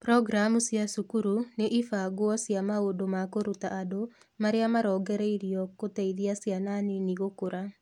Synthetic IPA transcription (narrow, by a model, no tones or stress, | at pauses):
pɾɔɡɾamusjasukuɾuneʔifaɣwɔsjamaodomakoɾutaʔːdo | maɾeamaɾɔːɡɛɾɛiɾiɔkotɛiðiasjananeniɣokoɾa